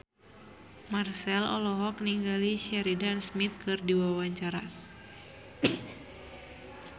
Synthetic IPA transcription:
marsɛlɔ̰lɔɦɔk̚niŋɡaliʃɛɾidansmit̪̚kɨrdiwawaɲt͡ʃaɾa

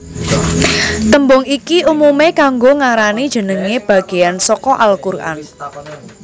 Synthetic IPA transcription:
t̪əmbʊŋikiumumekaŋɡoŋaɾanid̥ʒ̥ə̤nəŋeb̥a̤ɡ̥e̤jansɔkɔʔalkura̰n

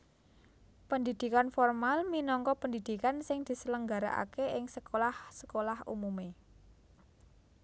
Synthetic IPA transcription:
pənd̪id̪̥i̤kanfɔrmalminɔŋkɔpənd̪id̪̥i̤kansɪŋd̪̥i̤sələŋɡaɾa̰ʔa̰keʔɪŋsəkolahsə̥kolahṵmume

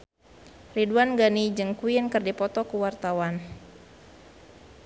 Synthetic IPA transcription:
riduanɡanid͡ʒɨŋkuinkɨrdipɔt̪ɔkuwart̪awan

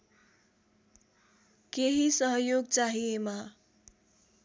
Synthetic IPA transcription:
keɦisʌɦʌjoɡt͡saɦiema

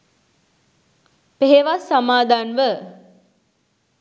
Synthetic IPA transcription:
peɦeʋasːamaːd̪ʱanʋə

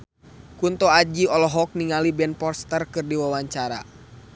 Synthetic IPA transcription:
kunt̪ɔad͡ʒiɔlɔɦɔk̚niŋalibɛnpɔrst̪ərkɨrdiwawaɲt͡ʃaɾa̰

